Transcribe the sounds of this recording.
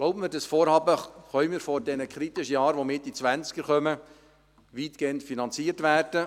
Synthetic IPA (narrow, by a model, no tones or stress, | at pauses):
ɡloʊbəməɾdɑsfoːɾhɑːbəχœʏmɪːɾfɔɾdɛnəkʰɾit̪ɪʃəjɑːɾʋomɪt̚dit͡sʋænt͡skəɾχœmə | ʋiːtɡ̥eːəntfinɑnt͡siːətʋæːrd̥ə